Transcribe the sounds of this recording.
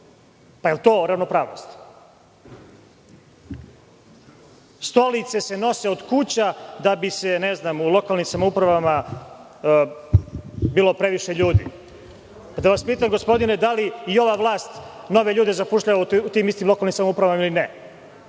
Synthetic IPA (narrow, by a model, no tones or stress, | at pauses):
paelt̪o̞ːɾaʋno̞pɾaːʋno̰st̪ | st̪o̞lit̪se̞se̞no̞se̞od̪kut͡ɕad̪abiseneznaːmulˠo̞kalnimsamoupɾaʋama | biːlˠo̞pɾe̞ʋiʃe̞ʎuːd̪ḭ | pad̪aʋaspiːt̪amɡo̞spo̞d̪ined̪aliio̞ʋaːʋlˠaːst̪ | no̞ʋe̞ʎuːd̪e̞zapuʃʎaʋauut̪iːmist̪iːmlˠo̞kalnimsamoupɾaʋamailinɛ